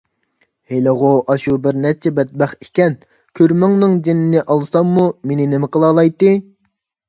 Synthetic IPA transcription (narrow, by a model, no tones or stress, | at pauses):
helɨʁʊʔɑʃubɪɾnɛt͡ʃʰɛbɛt̪̚bɛχekʲɛn | kʲʰøɾmɪŋnɨŋd͡ʒenɪnɪʔɑlˠɨsɑmːumenɪnɪmɪqəlˠɑːlˠɑjt̪ːɨ